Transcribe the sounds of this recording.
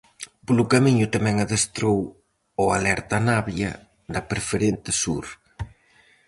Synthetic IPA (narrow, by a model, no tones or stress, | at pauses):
polʊkamiɲʊt̪amɛ̃ŋaðest̪ɾow | oalɛɾt̪anaβjɐ̰ | d̪ɐpɾefeɾent̪ɪsuɾ